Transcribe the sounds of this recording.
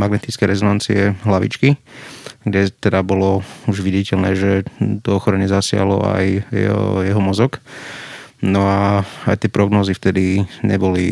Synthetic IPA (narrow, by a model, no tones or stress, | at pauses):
maɡnɛt̪it͡skɛjɾɛzɔnant͡siɛɦlaʋḭt͡ʃki | ɡɟɛt̪ɛd̪abɔlɔuʒʋiɟicɛlnɛːʒɛt̪ɔɔxɔɾɛɲɛzasɪa̰ɦlɔ̰a̰j̰ | jɛɦɔmɔzɔk | nɔaa̰jt̪ɪɛpɾɔɡnɔːzift̪ɛd̪iɲɛ̰bɔli